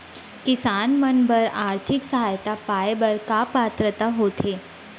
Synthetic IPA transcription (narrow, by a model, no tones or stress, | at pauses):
kisanmənbəɾaɾt̪ʰiksəɦajt̪apajbəɾkapat̪ɾət̪aɦot̪ʰe